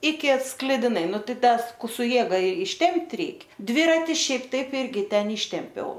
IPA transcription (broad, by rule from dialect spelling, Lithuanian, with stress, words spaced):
ɪkʲɪ sklʲɪdʲɪˈnɐɪ ˈnʊ ˈtɐɪ ˈtɐs ˈkʊ sʊ ˈjeːɡɐ ɪʃʲˈtʲɛmʲpʲtʲ ˈrʲɛɪk ˈdʲʋʲɪrɐtʲɪ ˈʃʲɛɪp ˈtɐɪp ˈɪrʲɡʲɪ ˈtʲɛn ˈiːʃʲtʲɛmʲpʲɛʊ